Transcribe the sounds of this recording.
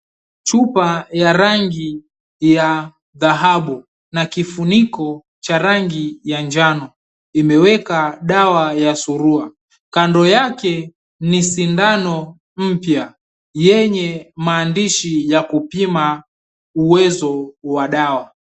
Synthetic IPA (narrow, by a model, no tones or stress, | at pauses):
t͡ʃupajaɾaŋɡi | ja | ðaɦaɓu | nakifunikɔ | t͡ʃaɾaŋɡijand͡ʒanɔ | imɛwɛkaɗawajasuɾua | kandɔjakɛ | nisindanɔ | m̩pja | jɛɲɛmaːndiʃijakupima | uwɛzɔwaɗawa